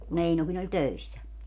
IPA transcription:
kun einokin olʲ tøisːæ

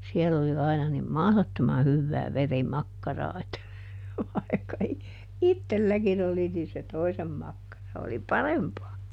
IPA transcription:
sielː oli ɑinɑ nim mɑhlotːomɑ hyʋːæː ʋerimɑkːɑrɑː etːæ ʋɑi̯kːɑ i itːelːækin oli niː se toisem mɑkːɑrɑ oli pɑrempɑː

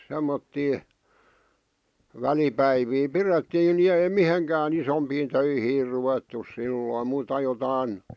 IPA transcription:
semːotːiː ʋælipæiʋiː piretːiːn ni ei miheŋkæːn isompiːn tøihiːr ruʋetːus silːoˑĭ muːtɑ jotɑin

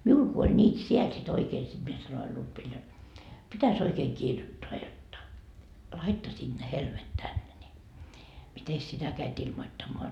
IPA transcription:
miul ku olʲ nʲiːt siel sit oikeː sit mie sɑnoil lutʋil jot pitæs oikeːŋ kirjotːoɑ jotːɑ lɑitːɑsiːd̥ ne helmet tænːe ni mites sitæ kæit ilmotːɑmːoɑ

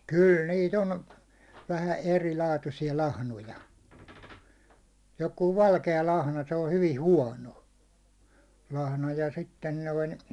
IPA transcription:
kyl niːt on ʋæhæ erilɑːtusiɑ lɑhnojɑ jokuː ʋɑlkeɑ lɑhnɑ se o hyʋi huɒno lɑhnɑ jɑ sitːen noin

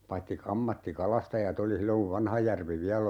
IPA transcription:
pɑitːi k ɑmːɑtːikɑlɑstɑjɑt oli silːoŋ kuʋ ʋɑnhɑjærʋi ʋiælˑ

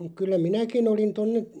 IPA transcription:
kylːæ minækin olin tonːe

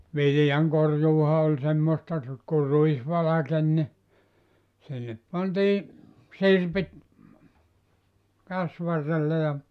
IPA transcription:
ʋilĭjɑŋkorjuːhɑ olʲ semːostɑ r ku ruis ʋɑlɑken ni sinːep pɑntiː sirpit kæsʋɑrːelːe jɑ

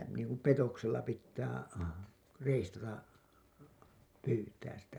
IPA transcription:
sitæ niːŋku petokselːɑ pitːæː reistɑtɑ pyːtæːs sitæ

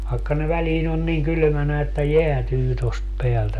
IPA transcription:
ʋɑekːɑ ne ʋæliːn on niːŋ kyly̆mænæ etːæ jeætyː tost peæltæ

